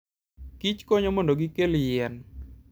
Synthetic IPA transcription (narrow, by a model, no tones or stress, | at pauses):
kit͡ʃkɔɲomɔndoɡikeljɛn